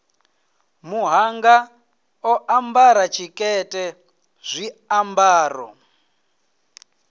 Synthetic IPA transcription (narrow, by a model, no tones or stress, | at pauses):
muɦaŋɡa | ɔʔambaɾat͡ʃʰikʼɛtʼɛ | z̥ʷiambaːrɔ̰